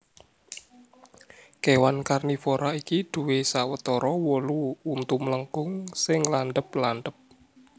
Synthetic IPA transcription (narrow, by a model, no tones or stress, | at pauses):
kewankarnifɔɾaikid̪̥ṳwesawət̪ɔɾɔwɔluːnt̪umləŋkʊŋsɪŋlanɖ̪əp̚land̪əp̚